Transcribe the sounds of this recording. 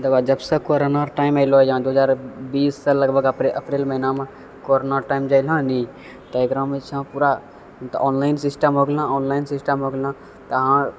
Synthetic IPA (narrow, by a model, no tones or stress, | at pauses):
d̪əbad͡ʒəbsə̃koɾonaɾʈaimaɪlod͡ʒãd̪oɦəd͡ʒaːɾbiːsːələɡbəɡʔəpɾelməɦinamẽ | koɾonaɾʈaːɪmd͡ʒaːɪlãni | t̪əekɾãmet͡ʃʰãpuɾa | t̪ʔɔːnlaɪnsisʈəmɦoːɡlãɔːnlaɪnsisʈəmɦoːɡlã | t̪əɦã